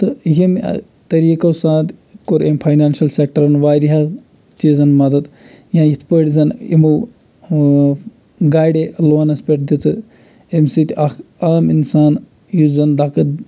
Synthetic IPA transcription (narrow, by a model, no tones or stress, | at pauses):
t̪ɨjim̰ | t̪ɐɾiːkosãːt̪koɾempʰaːjnaːnʃɐlsek̚ʈɐɾɐnʋaːɾiɦa | t͡ʃiːzɐnmɐd̪ɐd̪ | jãːjit̪ʰpəːɽʲzɐnḭmu | ɡaːjɖeloːnɐspeʈ̚d̪it͡sɨ | emsit̪ʲɐkaːminsaːn | juzɐnd̪akɐt̪